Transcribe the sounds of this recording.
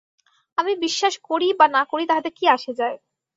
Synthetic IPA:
amibiʃːaʃkoɾibanakoɾit̪aɦat̪eɾkiaʃed͡ʑae

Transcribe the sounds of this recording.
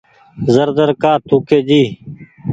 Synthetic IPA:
zəɾd̪əɾkaːt̪ʰuːkeːd͡ʒiː

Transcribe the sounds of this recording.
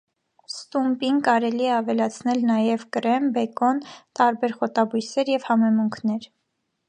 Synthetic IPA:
st̪umpiŋkɑɾɛliɛɑvɛlɑt͡sʰnɛlnɑjɛvkəɾɛmbɛkɔnt̪ɑɾbɛɾχɔt̪ɑbujsɛɾjɛvhɑmɛmuŋkʰnɛɾ

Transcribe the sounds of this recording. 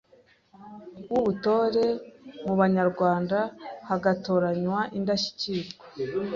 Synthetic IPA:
wuβuto̞ːɾe̞muβaɲaɾɡwaːndahaɡato̞ːɾaɲwaʔindaʃi̥ciɾɡwe

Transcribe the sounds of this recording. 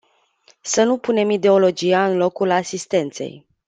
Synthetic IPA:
sənupune̞mid̪e̞o̞lo̞d͡ʒijaɨnlo̞kulasist̪e̞nt̪se̞̰j

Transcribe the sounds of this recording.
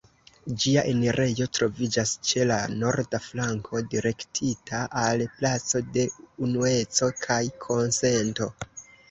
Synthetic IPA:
d͡ʒiaʔe̞neɾʔe̞jo̞tɾo̞vid͡ʒast͡ʃe̞lano̞ɾdaflaŋkʰo̞diɾe̞ktʰitʰaʔalplat͡so̞de̞unue̞t͡so̞kʰajkʰo̞nse̞nto̞

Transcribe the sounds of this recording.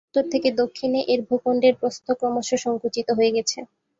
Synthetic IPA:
t̪oɾt̪ʰeked̪okʰːineʔeɾbʱokoɳɖeɾpɾost̪ʰokɾɔmoʃoʃɔŋkut͡ɕit̪oɦoeɡɛt͡ɕʰe

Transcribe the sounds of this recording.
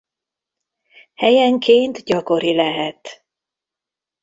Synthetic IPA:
hɛjɛŋkʰeːnt̪ɟɒko̞ɾilɛɦɛt̪

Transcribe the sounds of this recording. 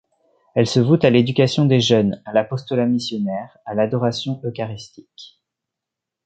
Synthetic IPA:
ɛlsəvut̪aled̪ykʲasjɔ̃d̪eʒœnalapɔst̪ɔlamisjɔnɛʁalad̪ɔʁasjɔ̃ʔøkaʁist̪i̥k

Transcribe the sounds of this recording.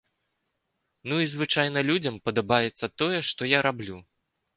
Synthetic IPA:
nuizvɨt͡ʂajnɐlʲud͡zʲɐmpɐd̪abajɛt̪sːɐt̪ɔjɛʂt̪ɔjaɾablʲu

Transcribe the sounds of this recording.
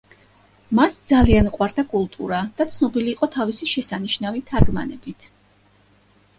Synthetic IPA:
masd̪zalianuqʼwaɾd̪akʼulˠt̪ʼṵɾad̪̥at̪sʰnɔbiliːqʼɔt̪ʰavisiʃɛsaniʃnavit̪ʰaɾɡma̰nɛbit̪ʰ

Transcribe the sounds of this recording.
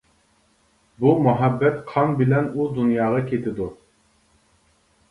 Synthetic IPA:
bumuɦɛbːɛt̪qʰɑnbɪlɛnud̪unjɑːʁɑkʲʰet̪ʰɪd̪u

